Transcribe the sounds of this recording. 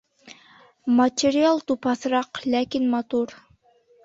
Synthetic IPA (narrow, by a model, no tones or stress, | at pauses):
mɐtʲeɾʲialˠt̪upɑθɾɑqlækinmɑt̪uɾ